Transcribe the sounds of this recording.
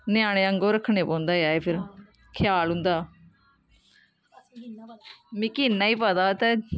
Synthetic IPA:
nɪjãːɽ̃eːəŋɡoːɾəkʰːɽeːpɔ̃ːnd̪aːjaːeːpʰɪɾ | kʰɪjaːlɦʊ̃nd̪aː | miːkɪːnːaːiːpaːd̪aːt̪ɛ

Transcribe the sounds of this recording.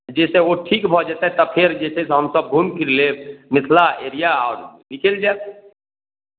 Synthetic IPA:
d͡ʒɛːseoʈʰiːkbʱɔd͡ʒaːt̪aɦɛt̪ɔpʰɪɾd͡ʒɛːsesɦəmsəb̚ɡʱuːmkiɾlemɪt̪ʰlaeːɾijaɔːɾnɪkeld͡ʒaː

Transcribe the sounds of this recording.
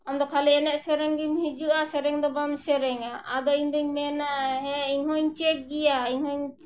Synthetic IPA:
amd̪ɔkʰaliɛnɛʔsɛɾɛŋɡimhid͡ʒuʔasɛɾɛŋd̪ɔbamsɛɾɛŋaʔad̪ɔiɲd̪ɛɲmɛnaɦɛiɲɦɔɲt͡ʃɛk̚ɡijaiɲhɔɲ

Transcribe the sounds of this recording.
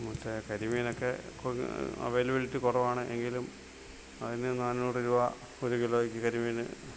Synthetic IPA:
mutːekɐɾimijinokːekɐ̰ʋeːlɐbiɭitːɨkurɐʋaːɳɨʔe̞ŋɡilum | ɐðinɨnaːnnuːʈɨɾuʋa | oɾukiloːɣikʲːɨkɐɾimɐjnɨ̰

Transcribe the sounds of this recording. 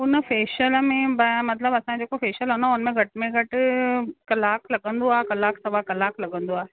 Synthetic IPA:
ʊnəfeːʃəlmẽbɐmɐt̪ləbɐsãd͡ʑoːkofeːʃəlɦonaʊnəmẽɡʱɐʈɪmẽɡʱɐʈɪkɐlaːklɐɠə̃nd̪oaːekɐlaːksɐʋakɐlaːklɐɠə̃nd̪oaː

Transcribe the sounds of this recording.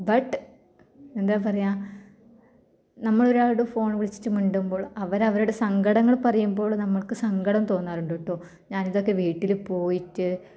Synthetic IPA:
bɐʈː | e̞nd̪aːpɐrɐjaː | nɐmːɐɭo̞ɾaːɽɨfo̞ːɳʋiɭit͡ɕːi̥tːɨmuɳɖumbo̞ːɭɐʋɐɾɐʋɐɾuɽe̞sɐŋɡɐɽɐŋːɐɭpɐrɐjumbo̞ːɭnɐmːɐɭkɨsɐŋɡɐɽɐmt̪o̞ːnːaːruɳɖoʈːoː | ɲaːniðo̞kːe̞ʋiːʈːilpo̞ːjitːɨ

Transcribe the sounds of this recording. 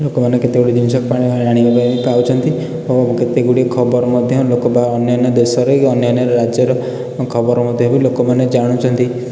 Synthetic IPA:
lokomaneket̪eɡuɽid͡ʒimsɔk̚paɽ̃iaɾaɽ̃iabapawt͡ʃʰɔnt̪i | oket̪eɡuɽiekʰɔbɔɾɔmɔd̪ʱjɔlokɔbaɔnjɔned̪esɔɾiɔnjɔneɾɾad͡ʒjɔɾɔ | kʰɔbɔɾɔmɔd̪ʱjɔbilokɔmaned͡ʒaɽ̃ũt͡ʃʰɔnt̪i

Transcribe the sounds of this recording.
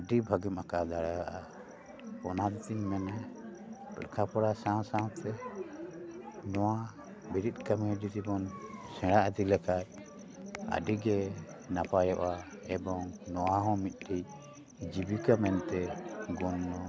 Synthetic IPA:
ɖibʱaɡimʔakad̪aɽaaʔa | pɔnad̪t̪iɲmɛnɛ | pə̰ɾkʰapɔɾasãw̃sãw̃t̪ɛ | nɔwa | biɾit̪̚kamuɖit̪ibɔnsɛ̃ɽaʔəd̪ilɛkaj | a̰ɖiɡɛ | napajɔʔa | ɛbɔŋnɔwaɦɔ̃mit̪̚ˀʈʰi | d͡ʒibikamɛnt̪ɛɡunːɔ

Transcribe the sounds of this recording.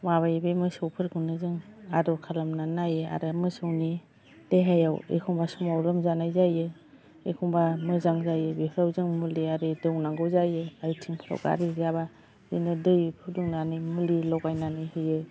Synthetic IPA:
maβajbejmɯsɯwpʰɯɾkʰunɯzɯŋadɔkʰalamnanajɯa̰ɾɯmɯsɯwni | d̥eɦajawḛkʰɔŋbasumawɾɯmzanajzajɯ | ḛkʰɔŋbamɯzaŋzajɯbipʰɾawzɯŋmuliaɾɯdɯwnaŋɡɯwzajɯaɾɯtʰiŋpʰɾa̰wɡa̰ɾizaba | zɯ̰nɯdɯjpʰuduŋnanɯjmɯlilɔwɡajnanɯjhɯjɯ

